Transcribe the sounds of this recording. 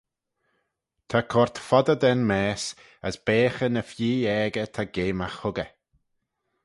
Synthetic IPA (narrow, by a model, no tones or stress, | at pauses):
t̪ʰakʰɔɹt̪fɔd̪əd̪ɛnmɛːs | əsb̥eːxənəfjiːɛːɡət̪ʰaɡeːmaxhʊɡə